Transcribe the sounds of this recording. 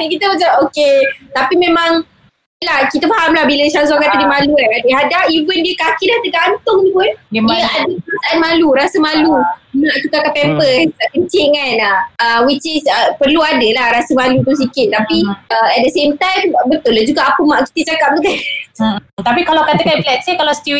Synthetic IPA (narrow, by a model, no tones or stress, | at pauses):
kit̪əmət͡ʃaʔoket̪apimẽmãŋ | lahkit̪əfaɦamlahbiləʃas̬akat̪ədimaluanadəɦadaʔivəndiəkakidaht̪əɡant̪ʊŋdikənadəasaʔanmaluɾasəmalumaʔt͡ʃukakapɛmpəsənt͡ʃiʔŋanawit͡ʃɪsəpərluadəlahɾasəmalut̪us̬ikɪt̪̚ːapiəɛt̪̚dəsemt̪ãjmbət̪ʊlad͡ʒuɡaʔapəmaʔki̥t̪ət͡ʃakap̚d̪əbɛ | t̪apikalawkat̪əkanflɛksəkalast̪i